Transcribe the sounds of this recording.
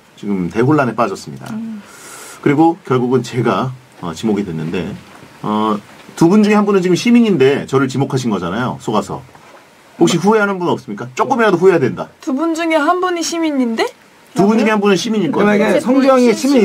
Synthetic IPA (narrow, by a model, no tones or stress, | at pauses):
t͡ɕiɡɯmte̞ɦoɭːane̞p͈ad͡ʑʌs͈ɯmɲḭda̰ | kɯɾiɡokjʌɭɡuɡɯnt͡ɕe̞ɡa | ʌ̰t͡ɕimoɡidwe̞nːɯnde̞̰ʌ | tubund͡ʑuŋehanbunɯnt͡ɕiɡɯmɕʰimiɲinde̞t͡ɕʌɾɯɭt͡ɕimokʰaɕ̬ʰinɡʌd͡ʑanajo̰s͈ʰoɡasʰʌ̰ | ɸok̚ɕ͈iɸue̞ɦanɯnbunʌp̚s͈ɯmɲik͈at͡ɕ͈ok͈ɯmeɾadoɸuejadwenda̰tubund͡ʑuŋeɦanbuɲiɕʰimiɲinde̞ | tubunɲiɡehanbunɯnɕʰimiɲiɭk͈ʌɡesʰʌŋd͡ʑʌŋeɕʰim